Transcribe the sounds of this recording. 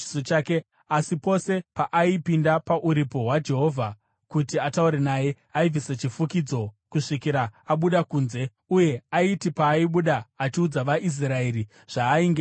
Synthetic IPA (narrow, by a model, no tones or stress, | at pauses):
sot͡ʃaːke̞ | asipo̞se̞paʔaipindapaʔuɾipo̞ɦwad͡ʒe̞ɦo̞vʱa | kutiatauɾenaje̞ | aib͡vʱiset͡ʃifukid͡zo̞kuʂikiɾaaɓuɗakuːnze | uje̞aitipaːiɓuɗaːt͡ʃiud͡zaʋaʔis̬rae̞ɾi | ʐ̥aːiŋɡe